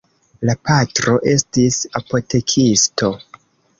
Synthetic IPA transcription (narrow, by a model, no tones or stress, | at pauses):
lapʰatɾo̞ʔe̞stisapo̞te̞kʰisto̞